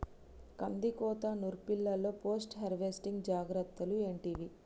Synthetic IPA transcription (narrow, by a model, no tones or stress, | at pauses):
kɐnd̪ikɔːt̪anuɾpilːɐlːo̞ːpo̞ːsʈɦeɾʋesʈiŋɡd͡ʒaːɡɾɐt̪ːɐlueːɳʈiːʋi